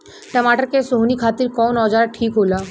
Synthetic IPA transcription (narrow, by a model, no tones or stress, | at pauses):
ʈəmaʈəɾkesoɦnikʰat̪iɾkɔnɔd͡ʑaɾaʈʰikɦola